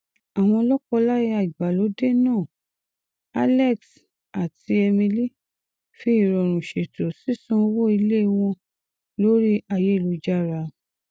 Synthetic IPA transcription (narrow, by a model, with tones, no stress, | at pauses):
a˨w̃ɔ̃˧ɔ˧lɔ˦kɔ˧la˦ji˧˦a˨i˨ɡ͡ba˨lo˨˦de˦nãː˦˨ | a̰˧lɛ˦˨ks | a˨ti˧ɛ˧mĩ˧li˦ | fi˦i˦˨ɾɔ˨ɾ̃ũ˨ʃe˨to˨si˨˦sũ˦o˧wo˦i˧le˦˧w̃ɔ̃˧ | lo˦ɾi˦a˧˨je˨˦˨lu˧d͡ʒa˦ɾa˧